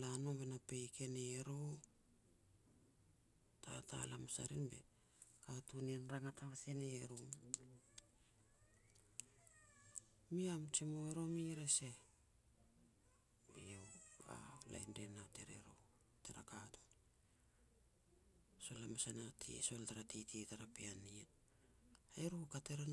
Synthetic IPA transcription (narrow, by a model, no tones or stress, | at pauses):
lanobenapejkʰeneɾo | tʰatʰa̰lamasa̰ɾinbe̞̰ | katunenɾaŋataβaseneɾo | miamt͡ʃimoeɾo̞miɾese | biewa̰la̰jndenateɾḛɾo̰ | teɾa̰katu̥ | so̞lamasanatʰḭso̞ltaɾatititaɾapianie | eɾukateɾa